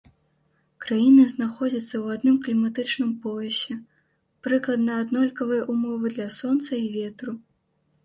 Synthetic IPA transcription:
kɾajinɨznaxɔd͡zʲɐt̪sːɐwad̪nɨmklʲimat̪ɨt͡ʂnɨmpɔjɛsʲɛ | pɾɨklˠɐd̪nɐːd̪nɔlʲkɐvɨjɐʔumɔvɨd̪lʲɐsɔnt̪sɐivʲɛt̪ɾu

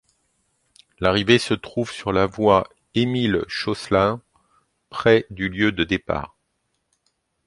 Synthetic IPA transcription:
laʁivesət̪χuvsyʁlavwa | emilʃɔslɛ̃ | pχɛd̪yljød̪əd̪epa̰ːʁ

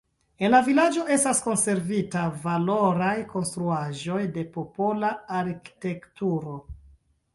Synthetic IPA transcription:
e̞nlavilad͡ʒo̞ʔe̞stasko̞nse̞ɾvitavalo̞ɾajko̞nst̪ɾuaʒo̞jde̞po̞po̞laːɾki̥te̞ktuɾo̞

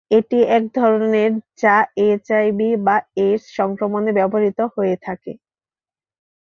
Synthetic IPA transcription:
eʈiɛk̚d̪ʱɔɾoneɾd͡ʑaet͡ɕajbibaeɾsʃɔŋkɾomonebɛbboaɾit̪ohoet̪ʰakḛ

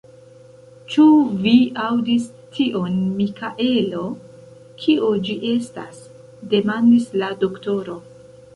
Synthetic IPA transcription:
t͡ʃuviawdis | tʰiʔo̞nmikaʔe̞lo̞ | kʰiod͡ʒiʔe̞sta̰s | de̞mandislado̞kto̞ɾo̞

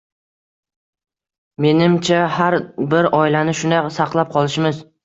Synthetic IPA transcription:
me̞nɪmt͡ʃʰahaɾbɪɾɒilanɪʃʊnd̪asɑqlˠap̚qʰɒlˠɪʃmɪz

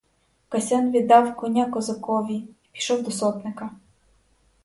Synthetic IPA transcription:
kɐsʲɛnʋʲid̪ːɑwkɔnʲakɔzɐkɔʋʲiipʲi̥ʃɔwd̪ɔsɔt̪nɪkɐ

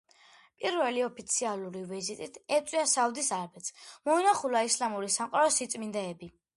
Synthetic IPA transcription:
pʼiɾvɛliɔpʰit̪sʰialˠuɾivizit̪ʼit̪ʰɛt̪sʼwiasaud̪isaɾbɛt̪sʰmɔinaχulaislamuɾisamqʼaɾɔsit̪sʼmind̪ɛɛbi

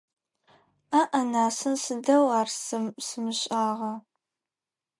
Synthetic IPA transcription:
aʔɐnaːsɨnsɨdɐwaːrsɨmsɨmɨɕʼaːʁɐ

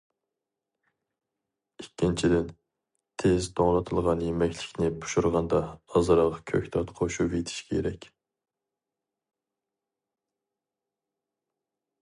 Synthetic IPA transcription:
ikʲːint͡ʃʰid̪ɪn | t̪ʰɪzt̪ʰoŋlˠɨt̪ʰɨlˠʁɑnjemɛkʲlɪ̥kʲnɪbu̥ʃuɾʁɑnd̪ɑːzɨɾɑʁɑkʲʰøkʲt̪ʰɑt̪qʰoʃuvet̪ʰɪ̥ʃkʲɛḛɾɛkʲ

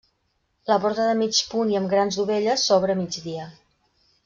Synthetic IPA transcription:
ləpɔɾt̪əðəmit͡ʃpuniəmɡɾanzðuβeʎəsːɔβɾəmid͡ʒðiə

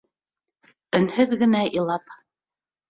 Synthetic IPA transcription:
ɵ̆nhɵðɡɘ̆næʔilˠɑp

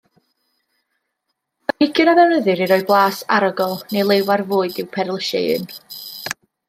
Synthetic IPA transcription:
ənɪkʰjɨnavɛwnəðɨɾiɾɔɨblˠaːsa̰ɾɔɡɔlˠnejlˠewarvʊːɨdɪwpʰɛɾlˠəʃɛ̰ɨ̰n

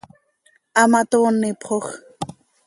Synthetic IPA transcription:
amat̪oːnːɪpχox

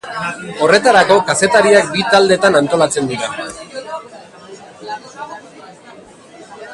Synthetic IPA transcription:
o̞re̞t̪aɾako̞kase̞t̪aɾiak̚bit̪ald̪e̞t̪anant̪o̞lat͡se̞nd̪iɾa

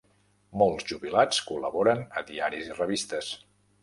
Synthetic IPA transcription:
mɔlˠzʒuβilat͡skuləβɔɾənəðiaɾizirəβist̪əs

